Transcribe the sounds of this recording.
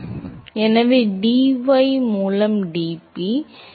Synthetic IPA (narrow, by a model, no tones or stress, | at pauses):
ɛnɐʋeːɖiːʋɐɪmuːlɐmɖiːpi